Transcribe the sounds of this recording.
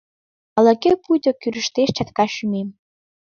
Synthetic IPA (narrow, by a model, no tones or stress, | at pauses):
ə̆lə̆kʲepujd̪ɤ̆kʲyɾɘ̆ʃt̪eʃt͡ɕɑt̪kɑɕymem